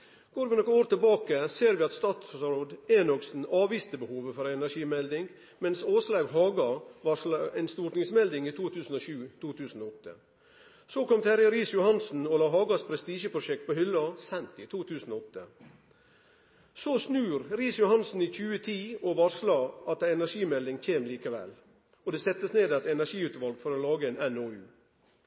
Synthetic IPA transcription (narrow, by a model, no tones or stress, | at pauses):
ɡ̥oːɾʋɪnɔkːəoːɾt̪ɪlbɑːkəseːɾʋɪːɑt̪st̪ɑːt̪sɾoːd̪enɔksn̩ɑːʋiːst̪əbəhuːʋəfɔɾæɛnæʂiːmɛld̪ɪŋɡ | mɛnsoːslɑɡɦɑːɡɑʋɑʂlɑæɪnst̪uːɾʈnɪŋsmɛld̪ɪŋiːt̪ʰuːt̪ʰʉːsn̩oːʃʉːt̪ʰuːt̪ʰʉːsn̩oːɔt̪ːə̰ | soːkɔmt̪ʰæɾjəɾiːsjʊhɑnsn̩ɔlɑːɦɑːɡɑspʰɾɛst̪iːʃəpʰɾʊʃɛkt̪̚poːhʏlːɑsɛnt̪iːt̪ʰuːt̪ʰʉːsn̩ɔɔt̪ːə | sosnʉːɾɾiːsjʊhɑnsn̩iːc͡çʉːət̪ʰiːɔʋɑʂlɑʔɑt̪ɛnæʂiːmɛld̪ɪŋc͡çʰeːmliːkəʋɛ̰l | ɔd̪ɛːsɛt̪ːəsneːd̪ɑt̪ɛnæʂiːʉt̪ʋɑlɡfɔɾɔlɑːɡəɛnɛnoːʉː